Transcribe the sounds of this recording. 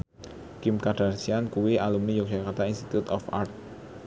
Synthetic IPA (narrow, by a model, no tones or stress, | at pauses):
kimkaɖ̥arsiankuwiʔalumnijɔk̚ʒ̥akart̪ainst̪i̥t̪ut̪ɔfa̰rt̪̚